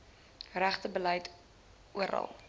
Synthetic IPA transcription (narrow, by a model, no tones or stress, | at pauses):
ræχtəbələjt | uəɾɐ̰lˠ